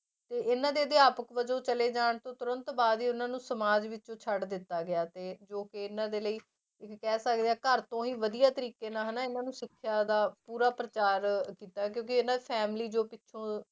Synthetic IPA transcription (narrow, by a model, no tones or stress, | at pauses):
t̪eːʔɪnãːd̪eːd̪eːaːpəkʋəd͡ʒõːt͡ʃəleːd͡ʒaːɳt̪õːt̪ʊɾənt̪baːd̪iːʊnãːnũːsəmaːd͡ʒʋɪt͡ʃõːt͡ʃʰəɽd̪ɪt̪ːaːɡɪjaːt̪eːd͡ʒoːkeɪnãːd̪eːləiː | ɪkːɛːsək̚d̪eɛːkəɾt̪õːɦiːʋəd̪ijaːt̪əɾiːkeːnãːɦɛnaːɪnãːnũːsɪkʰːjaːd̪aːpuːɾaːpɾət͡ʃaːɾkiːt̪aːk̬jõːkɪɪnãːd̪eːpʰɛːmliːd͡ʒoːpɪʃʰõː